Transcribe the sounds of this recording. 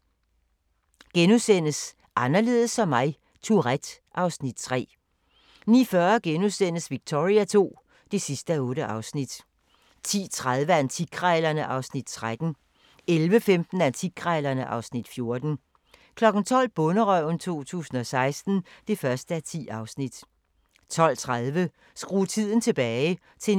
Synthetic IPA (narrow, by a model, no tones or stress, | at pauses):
ɡ̥enusen̰əs | ʔɑ̈nɐle̝ːð̞ˠəsɒ̽mːɑ̈ɪ | t͡sʰuʁæd̥ʔɑ̈ʊsnid̥̚t͡sʰʁɛ̰ː | nḭːfɶːɐɡ̥enusen̰əsʋiɡ̥̚t͡sʰo̝ʁiæt͡sʰo̝̰ː | d̥e̝sisd̥əæɔ̽ːɾəʔɑ̈ʊsnid̥ | t͡sʰḭːt͡sʰʁað̞ˠʋəæɐent͡sʰiɡ̥ʰʁɑɪlɐnəʔɑ̈ʊsnid̥̚t͡sʰʁad̥n̩ | elʋəfemd̥n̩æɐnt͡sʰiɡʰʁaɪlɐnəʔɑ̈ʊsnid̥fjo̝ɐd̥n̩ | kʰlɒ̽ɡ̥n̩t͡sʰɒ̽l̰b̥ɔnəʁœʊ̰nt͡sʰo̝̰ːt͡sʰṵːsn̩ɒ̽sɑ̈ɪsd̥n̩d̥e̝fɶɐsd̥əæt͡sʰḭːɑ̈ʊsnid̥ | t͡sʰɒ̽l̰t͡sʰʁaðˠʋə | sɡ̥ʁuːt͡sʰið̞̰ˠn̩t͡sʰe̝b̥ɛːɪɪ | t͡sʰe̝